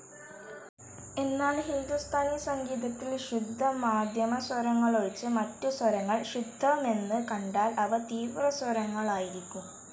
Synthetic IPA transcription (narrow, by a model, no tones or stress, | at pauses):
e̞nːaːɳɦind̪ust̪ʰaːnisɐŋɡiːðɐt̪ːilɕud̪ʱːɐmaːd̪ʱjɐmɐswɐɾɐŋːɐɭoɻit͡ɕːɨmɐtːuswɐɾɐŋːɐɭɕud̪ʱːɐʋme̞nːɨkɐɳɖaːlɐʋɐt̪iːʋrɐswɐɾɐŋːɐɭaːjiɾikʲːum